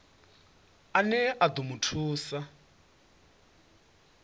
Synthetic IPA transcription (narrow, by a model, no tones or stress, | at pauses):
anɛʔad̪umutʰuːsa